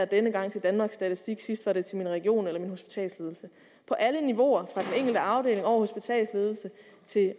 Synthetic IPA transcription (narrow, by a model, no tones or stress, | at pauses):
ɐd̥enəɡ̥ɑ̈ŋ̰t͡sʰe̝ld̥ænmɑ̈ːɡ̥sːd̥æt͡sʰisd̥iɡ̥sisd̥ʋɑ̈ɾ̥e̝t͡sʰe̝lminʁɛɡ̥io̝̰ːnelɐminho̝sb̥i̥t͡sʰɛ̰ːlsle̝ð̞ˠl̩sə | pʰɒ̽ʔæləniʋo̝̰ɐfʁɑ̈d̥eneŋ̰ɡ̥l̩d̥əɑ̈ʊɾe̝ːle̝ŋɒʊ̰ɐho̝sb̥it͡sʰɛ̰ːlsle̝ːð̞ˠl̩sə | t͡sʰe̝